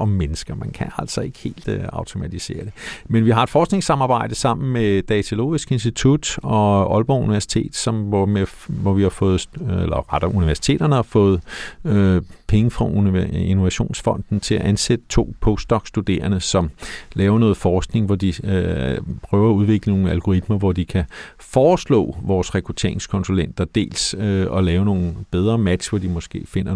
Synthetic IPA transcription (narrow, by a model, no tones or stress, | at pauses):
ʔɒ̽mmenəsɡ̥ɐmænkʰææl̰sɒ̽e̝ɡ̥ə̥he̝̰ːld̥ɑ̈ʊt͡sʰo̝mæt͡sʰise̝̰ːɐd̥e̝menʋiɦɑ̈e̝̥fɒːsɡ̥ne̝ŋsɑ̈mɑ̈ːb̥ɑ̈ɪ̰d̥əsɑ̈m̰n̩med̥ɛt͡sʰolo̝̰ːisɡ̥e̝nsd̥it͡sʰud̥ɒ̽ʔɒ̽lb̥ɒuniʋæɐsi̥t͡sʰe̝̰ːd̥sɒ̽mme | ʋɒʋihɑ̈fɔ̽ːð̞̩ˠelɐ̰ʁad̥æuniʋæɐsi̥t͡sʰe̝̰ːd̥ɐnəhɑ̈fɔ̽ːð̞̩ˠ | pʰeŋəfʁɑ̈uinoʋæɕo̝̰ːnsfɒ̽n̰d̥n̩t͡sʰe̝læʔænsed̥ə̥t͡sʰo̝̰ːpʰɔːsd̥ɒ̽ɡ̥sd̥ud̥e̝̰ːɐnəsɒ̽mlɛːʊɐnɔ̽ːð̩ˠfɒːsɡ̥ne̝ŋʋɒd̥i | pʰʁœːʊɐːuð̞ˠʋe̝ɡ̥ləno̝ːŋ̩ælɡ̥o̝ʁid̥mɐʋɒd̥ikʰæ | fɒːslɔ̰̽ːʋɒːsʁɛkʰʁut͡sʰe̝̰ɐ̰e̝ŋskʰɒ̽nsulen̰d̥ɐd̥e̝̰ːlsɒ̽lɛːʊno̝ːn̩b̥eð̞ˠʁɐːmæd̥ʋɒd̥imɒ̽sɡ̥e̝̰ːfe̝n̰ɐ